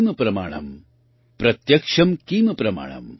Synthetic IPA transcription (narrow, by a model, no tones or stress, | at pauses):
mɐpɾɐma̰ːɳɐ̰m | pɾɐt̪jɐkʂɐmkiːmɐpɾɐma̰ːɳɐ̰m